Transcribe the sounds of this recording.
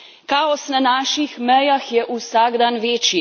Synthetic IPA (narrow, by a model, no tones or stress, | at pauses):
kaːɔsnanaːʃixmɛjaxjɛʔusaɡd̪anʋeːt͡ʃi